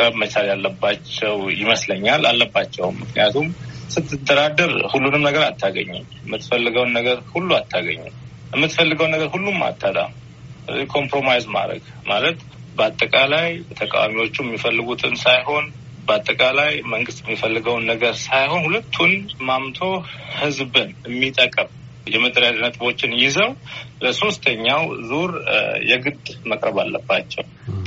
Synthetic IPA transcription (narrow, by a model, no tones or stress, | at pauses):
kʼəbmət͡ʃaljalːəbːat͡ʃːɛwjɪməsləɲːala̰lːəbːat͡ʃːɛwmɨknḭjat̪ʰumsɨt̪ʰːɨd̪əɾad̪əɾhulːunɨmnəɡəɾat̪ʰːaɡə̰ɲːɛmjəmːɨt̪fəlːɨɡəwnːəɡəɾhulːuat̪ʰːaɡə̰ɲːṵm | jɛmːɨt̪fəlːɨɡəwnːəɡəɾhulːumːa̰t̪ʼːat̪ʼa̰ | kʰo̞mpɾo̞majzma̰ɾə̰ɡ | malət̪ | bəat̪ʼːəkʼalajt̪ʰəkʼa̰wamiwo̞t͡ʃːujɛmːifəlːɨɡut̪ʰɨnsajho̞n | bəat̪ʼːəkʼalajməŋɡɨst̪jɛmːifəlːɨɡəwnːəɡəɾsajho̞nhulət̪ʰːunmamt̪ʰo̞hɨzbɨnɨmːit̪ʼəkʼəm | jɛməd̪əɾad̪nət̪ʼβo̞t͡ʃːɪnjɪzəwləso̞st̪ʰəɲːawzuɾjɛɡɨd̪məkʼɾəβalːə̰bːat͡ʃːɛ̰w